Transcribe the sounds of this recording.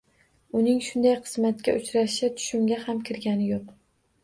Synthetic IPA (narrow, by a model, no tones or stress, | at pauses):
ʊnɪŋʃʊnd̪ajqʰɨ̥smat̪kʲaʔʊt͡ʃɾaʃat̪ʰʊ̥ʃʊmɡʲahamkʲʰɪɾɡʲanɪjoq